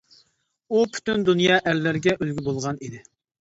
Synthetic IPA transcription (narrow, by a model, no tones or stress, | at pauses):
upʰy̥t̪ynd̪unjɑːʔæɾːæɾɡʲɛʔølɡʲybolˠʁɑnid̪ɪ